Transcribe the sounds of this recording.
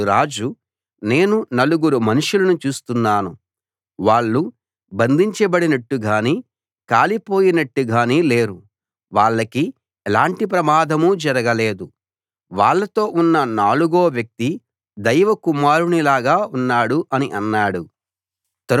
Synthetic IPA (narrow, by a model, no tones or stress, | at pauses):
ɾaːd͡ʒu | ne̞ːnunɐluɡuɾumɐnuʂulɐnut͡ʃuːst̪unːaːnu | ʋaːɭːu | bɐnd̪ʱiɲt͡ʃɐbɐɽinɐʈːuɡaːniː | kaːlipo̞ːjinɐʈːuɡaːniːle̞ːɾu | ʋaːɭːɐki | ɛlaːɳʈip̬ɾɐmaːd̪ʱɐmud͡ʒɐɾɐɡɐleːd̪u | ʋaːɭːɐt̪o̞ːʔunːɐnaːluɡoːʋjɐk̚t̪i | d̪ɐjʋɐkumaːɾunilaːɡaːunːaːɽuʔɐniʔɐnːaːɽu | t̪ɐɾ